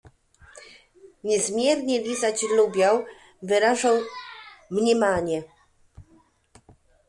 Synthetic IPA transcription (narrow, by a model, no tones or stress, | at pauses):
ɲɛzmʲjɛɾɲɛvʲizat͡ɕlubʲjaw | vɘɾaʐaw | mɲɛmaɲɛ